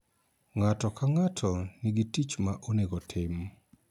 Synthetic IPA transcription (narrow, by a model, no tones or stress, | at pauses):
ŋatɔkaŋatʰɔnɪɡitit͡ʃmaʔoneɡɔtʰɪm